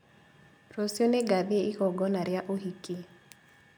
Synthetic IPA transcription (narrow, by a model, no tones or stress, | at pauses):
rosjoneɡaðɪeikɔɡɔnaɾjaʔoɦiki